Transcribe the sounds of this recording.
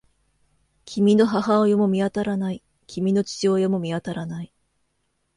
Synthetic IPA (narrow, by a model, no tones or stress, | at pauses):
kʲʰimʲino̞ɦaɦaojomomʲiat̪aɾanai | kʲʰimʲino̞t͡ɕi̥t͡ɕiojomo̞mʲiat̪aɾanai